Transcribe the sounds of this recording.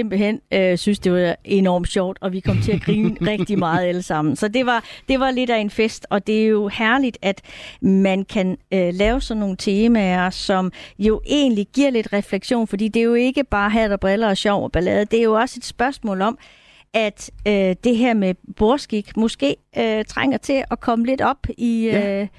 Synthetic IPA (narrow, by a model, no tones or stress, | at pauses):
semb̥l̩hen̰øsynsd̥e̝ʋɑe̝nɒ̰ːmd̥ɕɒʊ̰d̥ɒ̽ʋikʰɒ̽m̰t͡sʰe̝æɡ̥ʁiːnʁɛɡ̥d̥imɑ̈ːð̞̩ˠæləsɑ̈m̰n̩sɒ̽d̥e̝ʋɑ̈d̥e̝ʋɑ̈le̝d̥æe̝nfesd̥ɒ̽d̥e̝æjo̝hæɐlid̥æd̥mænkʰænølɛːʊsɒ̽nːo̝ːn̩t͡sʰe̝ːmæɐsɒ̽mjo̝ʔe̝̰ːn̩liɡ̥iɐ̰le̝d̥ʁɛfleɡ̥ɕo̝̰ːnfɒ̽d̥ḭːd̥e̝jo̝e̝ɡ̥əb̥ɑ̈ːɦæɐ̰d̥ɑ̈b̥ʁɛlɐɒɕɒʊɒb̥ælɛ̰ːð̞̩ˠd̥e̝æɐjo̝ɒ̽se̝d̥sb̥ɶɐsmɔ̰̽ːlɒ̽m | æd̥ød̥e̝ɦæɐ̰meb̥o̝ɐsɡ̥iɡ̥mɔ̽sɡ̥e̝̰ːøt͡sʰʁaŋ̰ɐt͡sʰe̝ʔɒ̽kʰɒ̽məle̝d̥ɒ̽b̥iø